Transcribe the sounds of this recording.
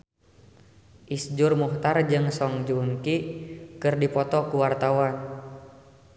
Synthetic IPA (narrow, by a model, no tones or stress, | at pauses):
ʔisd͡ʒurmuht̪ard͡ʒɨŋsɔŋd͡ʒunkikɨrdipɔt̪ɔkuwart̪awan